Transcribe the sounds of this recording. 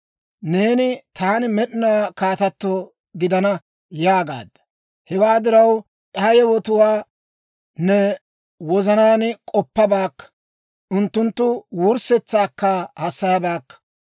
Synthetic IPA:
ne̞ːnɪt̪aːnɪmɛɗɪnaːkaːt̪ɐt̪ːɔ | ɡɪd̪ɐnɐ | jaːɡa̰ːd̪ːɐ | hɛwaːd̪ɪɾɐw | ʔɐhɐjɛwɔt̪ʊwaː | nɛ | wɔzɐnaːnkʼɔpːɐbaːkːɐ̥ | ʔʊnt̪ːʊnt̪ːʊwuʊɾsɛt͡sːaːkːɐhɐsːɐjɐbaːkːɐ̥

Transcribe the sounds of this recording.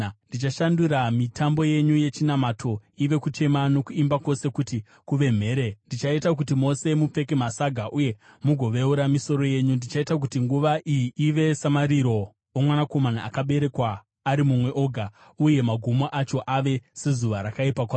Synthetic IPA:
ndit͡ʃaʃanduɾamitʰambo̞je̞ɲuje̞t͡ʃinamatʰo̞iʋe̞kut͡ʃe̞mano̞kuimbako̞se̞kuti | kuʋe̞m̤e̞ːɾendit͡ʃaitak̬utimo̞se̞mup͡fe̞kemasaɡʱaʔuje̞ | muɡʱo̞ʋe̞uɾamiso̞ɾo̞je̞ɲundit͡ʃaitak̬utiŋɡuʋaʔijiiʋe̞samaɾiɾo̞ | omwanako̞manaakaɓe̞ɾe̞kwaː | ɾimumwe̞ʔo̞ɡʱa | uje̞maɡʱumoʔat͡ʃo̞ʔaʋe̞se̞zuʋaɾakaipak̬wa

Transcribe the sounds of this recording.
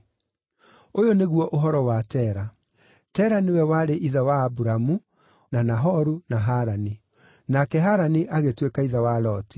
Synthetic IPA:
ojoneɣwɔʔoɦɔɾɔwatɛːɾa | tɛːɾanewɛwaɾeʔiðawaːbuɾamu | nanaɦɔɾunaɦaɾani | nakɛɦaɾaniʔaɣetwekaiðawalɔti̥

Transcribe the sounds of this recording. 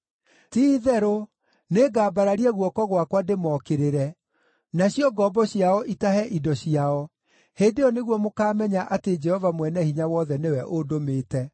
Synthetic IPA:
tiːðɛɾo | neɡaːbaɾaɾiɛɣwɔkɔɣwakwademɔkeɾeɾɛ | naɕjɔɡɔbɔɕjaɔʔitaɦɛʔidɔɕiaɔ | heːndeɔneɣwɔmokaːmɛɲaʔated͡ʒɛhɔvamwɛnɛhiɲawɔðɛnewɛʔodomeːtɛ

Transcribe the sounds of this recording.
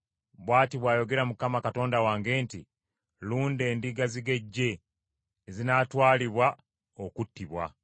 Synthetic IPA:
βwaːtiβwaːjo̞ɡe̞ɾamukamakato̞ːndawaːŋɡe̞ːnti | luːnde̞ːndiɡaziɡe̞ɟːe̞ː | zinatwaːliβwa | o̞kutːiβwa̰

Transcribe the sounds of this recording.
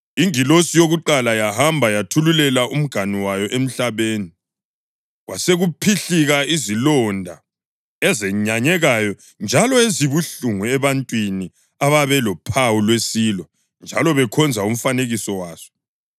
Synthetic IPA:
iŋilosijoɣuǃalajahambʱajatʰululɛlaʔum̩ɡ̥ʱaniwajɔʔem̩ɬaβeːni | ɣwʔa̰seɣupʰiɬiɣaizilɔndʱa | ɛzɛɲaɲɛɣajɔ | nd͡ʒʱalɔeziβuɬuŋuɛβantʼwini | aβaβɛlɔpʰawulwesilɔ | nd͡ʒʱalɔβɛkʰɔnd͡zʱaum̩faneɣisɔwaːsɔ̥

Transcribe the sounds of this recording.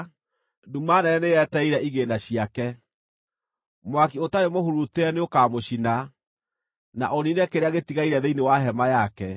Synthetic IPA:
dumanɛɛneɛtɛiɾɛʔiɣeːndaɕiakɛ | mwakiotaɾemohuɾuteɛneokamoɕina | na̰ʔɔninɛkeɾeaɣetiɣaiɾɛðeinewaɦɛmajakɛ

